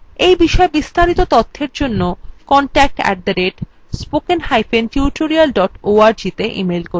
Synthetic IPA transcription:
ejbiʃɔebist̪aɾit̪ot̪ɔt̪ʰːeɾd͡ʑonːokɔɳʈɛk̚ʈɛ̰ʈ̚d̪ɐɾeɖ | spokenɦajfentjuʈoɾialɖɔʈoaɾd͡ʑit̪eʔḭmelko

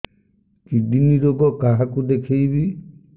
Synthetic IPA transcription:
kiɖiniɾoɡɔkaɦakud̪ekʰejbi

